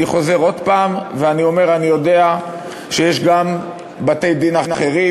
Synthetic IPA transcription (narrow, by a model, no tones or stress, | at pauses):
iχo̞ze̞ʁo̞d̪paːmveanio̞me̞ʁanijo̞de̞a | ʃejeʃɡam | bate̞jd̪inanaχe̞ʁi